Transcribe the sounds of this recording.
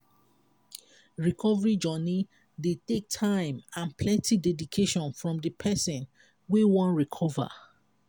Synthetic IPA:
ɹikʰɔvəɹid͡ʒɔni | detek̚tʰãɪ̃mãnpʰlɛ̃ntidɛdikʰeʃɔ̃nfɹɔ̃mdəpʰɛsɔ̃n | wewɔ̃nɹikʰɔva̰

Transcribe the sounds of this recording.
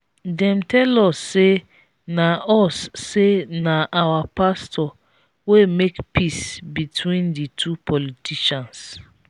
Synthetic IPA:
dɛ̃m̩tɛlɔsːe | naɔsːenaʔawapastɔ | wemekpisbitʰwĩnditʰupɔlitiʃãns

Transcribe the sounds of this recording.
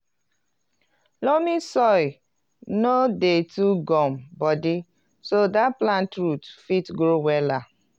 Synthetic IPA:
lɔmisɔj | nodetuɡɔmbɔdi | sodaplãntɹutfitɡɾowɛla

